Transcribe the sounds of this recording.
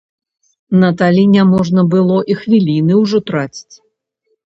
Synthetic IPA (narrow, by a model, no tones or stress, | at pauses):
nɐt̪alʲinʲɛmɔʐnɐbɨlˠɔʔixvʲilʲinɨwʐɔt̪ɾat͡sʲi̥t͡sʲ